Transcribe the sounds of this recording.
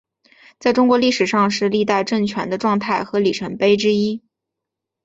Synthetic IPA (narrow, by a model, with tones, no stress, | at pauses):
t͡sa˥˩ɪʈ͡ʂʊ˥ŋkwɔ˧˥li˥˩ʂɻ̩˨˩ʂɑ˥˧ŋʂɻ̩˥˧li˥˧t̪a˥˧ɪʈ͡ʂɤ˥˩ŋt͡ɕʰɥɛ˧˥nd̪ə˧ʈ͡ʂwɑ˥˧ŋt̪ʰa˥˩ɪxɤ˧˥li˨˩ʈ͡ʂʰə˧˥ŋpe˥ɪʈ͡ʂɻ̩˥i˥